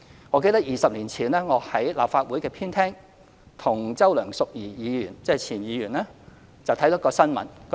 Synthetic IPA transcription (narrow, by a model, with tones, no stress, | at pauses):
ŋɔː˨˧ke˧jt̪ɐ˥k̚jiː˨sɐ˨p̚liː˨˩nt͡sʰiː˨˩nlɛː˥ŋɔː˨˧hɐ˨˥jla̰ː˨pfaː˧t̚wuː˨˥jkɛː˧pʰiː˥nt̪ʰɛː˥ŋ | t̪ʰʊ˨˩ŋt͡sɐ˥wlœː˨˩ŋsʊ˨k̚jiː˨˩jiː˨˧jyː˨˩nt͡sɛː˥˨t͡sʰiː˨˩njiː˨˧jyː˨˩nlɛː˥ | t͡sɐ˨wt̪ʰɐ˨˥jt̪ɐ˥kːɔː˧sɐ˥nmɐ̰˨˥nk